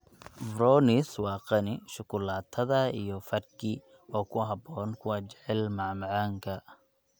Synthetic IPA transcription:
vrɔːnɪswɑːqɑnɪʃʊkʰʊlaːt̪ʰːɐðɐijɔfɐrkʰi | ɔːkʰʊɦɑbɔːnkʰʊwɑːt͡ʃɛʕɛlmɑʕmɪʕaːŋkʰɐ

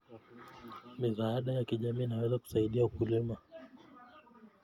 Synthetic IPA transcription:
mizaaɗajakiʄamiːnawɛzaku̥saiɗiaukulima

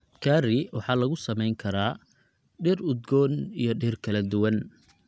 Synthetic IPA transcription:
kʰaːrɪwɑħɑːlɐɣʊsɐmɛjŋkʰɐɾaː | ɖɪrʊd̪ɡɔːnijɞɖɪːrkʰɐlɐd̪ʊwɐn

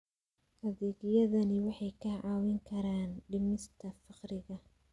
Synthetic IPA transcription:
hɐðiːɣjɐðɐnɪwɑħɑjkʰɐʕɑːwɪŋkʰɐɾaːnɖɪmɪst̪ʰɐfɑqrɪɣɐ

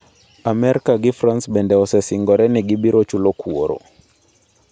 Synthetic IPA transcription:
amɛɾkaɡɪfransbɛndɛɔsɛsɪŋɡɔɾɛnɛɡɪbiɾot͡ʃulokwoɾo̰

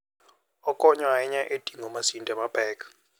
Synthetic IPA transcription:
ɔkʼɔɲwaɛɲaʔed̥ʱʼiŋɔmasintʼamab̥ʱɛːkʰʼ

